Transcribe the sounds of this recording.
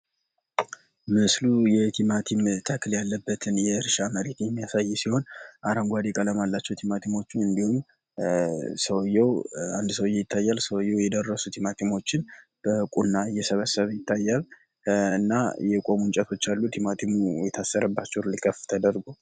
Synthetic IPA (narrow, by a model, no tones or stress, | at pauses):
mɨslujɛt̪ʰimat̪ʰimt̪ʰəkʰljalːəbːət̪ʰɨnjɛɨɾʃaməɾe̞t̪jɛmːijasajːɛsiho̞nʔaɾəŋɡʷad̪ekʼələmalːat͡ʃːɛwt̪ʰimat̪ʰimo̞t͡ʃːuɨnd̪ihum | səwjɛwand̪səwjːɛjɪt̪ʰːajːalsəwjːɛwjɛd̪ərːəsut̪ʰimat̪ʰimo̞t͡ʃːɪnb̥əkʼunːajɛsəβəsəβəjɪt̪ʰːajːal | ɨnːajɛkʼo̞munt͡ʃʼɛt̪ʰo̞t͡ʃːalːut̪ʰimat̪ʰimujɛt̪ʰasːəɾəbːat͡ʃːɛwlikʰʼəft̪ʰəd̪əɾɡu